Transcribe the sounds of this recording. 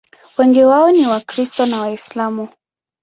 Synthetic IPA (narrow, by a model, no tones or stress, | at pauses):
wɛŋɡiwaɔniwakɾistɔnawaislamu